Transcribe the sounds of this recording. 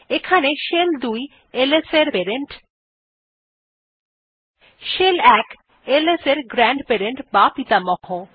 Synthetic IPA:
ekʰaneʃeld̪uj | eleseɾpeɾeɳʈ | ʃelɛk | eleseɾɡɾɛɳɖpeɾeɳʈbapit̪amɔkʰo

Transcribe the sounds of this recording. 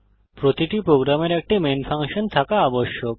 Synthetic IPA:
pɾot̪iʈipɾoɡɾameɾɛk̚ʈimenfʰaŋʃont̪ʰakaaboʃːok

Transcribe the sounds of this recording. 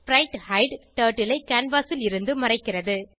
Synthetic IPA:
pɾɐɪʈhɐɪɖʈɐːʈːɪlɐɪkːaːnbaːsɪlɪɾɯnd̪ɯmɐrɐɪkːɪrɐðɯ

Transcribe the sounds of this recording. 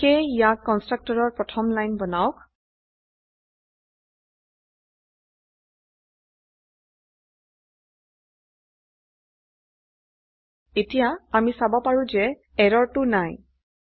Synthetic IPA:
kejijakːɔnstɹak̚tɔɹɔɹpɹɔtʰɔmlajnbɔnaʊk̚ | etijaːmisabɔpaɹũzɛ | ɛɹɔɹtʊnaj

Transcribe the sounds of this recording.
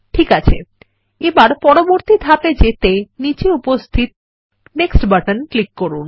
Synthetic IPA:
ʈʰikat͡ɕʰḛ | ebaɾpɔɾoboɾt̪id̪ʱaped͡ʑet̪enit͡ɕeupost̪ʰit̪̚ | neksʈbaʈənklikːoɾun

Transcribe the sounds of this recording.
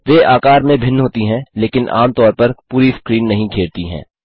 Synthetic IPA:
ʋeːʔaːkaːɾmẽbʱɪnːɦoːt̪iɦɛ̃leːkɪnʔa̰ːmt̪ɔːɾpɐɾpuːɾiskɾiːnːɐɦĩkʰeːɾt̪iɦɛ̰̃ː

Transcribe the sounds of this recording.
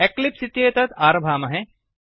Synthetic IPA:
eklipsit̪jeːt̪ɐt̪aːɾɐbʱaːmɐɦe

